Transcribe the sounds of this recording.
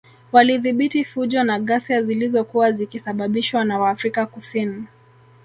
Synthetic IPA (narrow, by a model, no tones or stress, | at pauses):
waliðiɓitifuʄɔnaɠasiazilizɔkuwazikisaɓaɓiʃwanawaːfɾikakusini